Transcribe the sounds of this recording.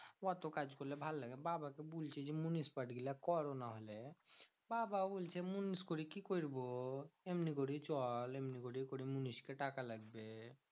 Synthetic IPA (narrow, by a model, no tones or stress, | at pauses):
wat̪okad͡ʒkolebʱalːəɡɛbabakebult͡ʃʰɛd͡ʒemunispəʈʰɡelakɔɾonaɦolɛ | bababult͡ʃʰɛmuniskoɽikikoiɾboemnikoɽit͡ʃɔlemnikoɽikoɽimuniskeʈakaləɡbe